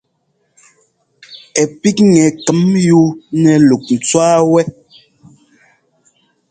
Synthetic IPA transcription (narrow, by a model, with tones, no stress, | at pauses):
ɛ˨pi˦kŋɛ˨kɛ˨˦mju˦nɛ˨lu˨k̚n̩˨t͡swaː˦wɛ˦